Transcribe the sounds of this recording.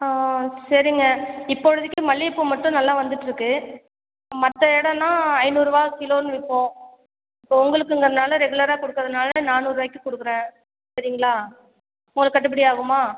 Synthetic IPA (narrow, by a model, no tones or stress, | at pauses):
asɐɾɪŋɡɐɪpːɔɻɐðɪkːɯmɐɭːiɪpːoːmɐʈːʊ̃nɐlːaːʋɐnd̪ɯʈːɯɾɯkːɯ | mɐt̪ːɐɛɽɐ̃nːãːɐɪnuːɾɯʋaːɣɐkɪloːnɯʋɪpːõː | ɪpːoːʊŋɡɐɭɯkːɯɪŋɡɐnaːlɐɾɛɣɯlɐɾaːkɔɽɯkːɾɐðɐnaːlɐnaːnuːɾɯʋaːɪkːɯkɔɽɯkːɯɾẽː | sɐɾɪŋɡɐɭaː | ʊŋɡɐlɐkːɐʈ̬ːɯpːɪɽɪjaːɣɯmaː